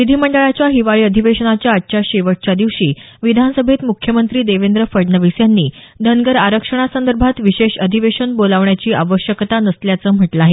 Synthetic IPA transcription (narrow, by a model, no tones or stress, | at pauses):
ʋid̪ʱiməɳɖəɭat͡ɕjaɦiʋaɭiːəd̪ʱiʋeɕənat͡ɕjaːʈ̚ːt͡ɕaɕeʋəʈ̚t͡ɕjad̪iʋʂiː | ʋid̪ʱansəbʱet̪mukʰjəmənt̪ɾiːd̪eʋend̪ɾəfəɖnəʋisjanːiːd̪ʱənɡəɾaɾəkʂəɳ̃asənd̪əɾbʱat̪ʋiɕeɕəd̪ʱiʋeɕənbolaʋɳjat͡ɕiːʔaʋəɕjəkt̪anəsljat͡səːm̤əʈlaaːɦe